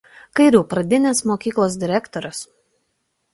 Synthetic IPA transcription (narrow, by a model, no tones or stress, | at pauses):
kɐɪɾʲuːpɾɐd̪ʲɪnʲeːsmoːkʲiːklˠoːs̬ʲd̪ʲɪɾʲɛkt̪ɔɾʲʊs